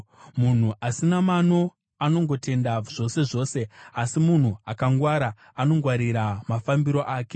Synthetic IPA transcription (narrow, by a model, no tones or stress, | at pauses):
mun̤uʔasinamano̞ | ano̞ŋɡo̞te̞ndaʐ̥o̞se̞ʐo̞ːse̞asimun̤uakaŋɡwaɾaː | no̞ŋɡwaɾiɾamafambiɾo̞ʔaːke̞̥